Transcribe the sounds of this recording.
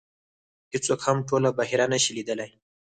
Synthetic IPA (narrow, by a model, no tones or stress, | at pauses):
hɪt͡sokhamʈolabaɦiɾanəʃilid̪əlaj